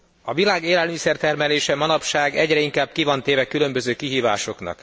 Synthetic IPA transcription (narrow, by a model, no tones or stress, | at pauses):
ɒvilaːɡeːlɛlmisɛrt̪ɛrmɛleːʃɛmɒnɒpʃaːɡɛɟrɛiŋkaːb̚kivɒnt̪eːvɛkylø̞mbøzøːkiɦiːva̰ːʃo̞knɒ̰k